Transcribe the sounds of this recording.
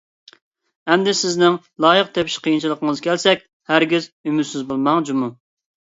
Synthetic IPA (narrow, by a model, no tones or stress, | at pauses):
ɛmd̪ɪsɪznɪŋ | lˠɑːjəq̚t̪ʰepʰɪ̥ʃqʰijint͡ʃʰilˠəqəŋəzkʲʰɛlsɛkʲ | hæɾɡʲizymyt̪sɪzbolˠmɑŋd͡ʒumu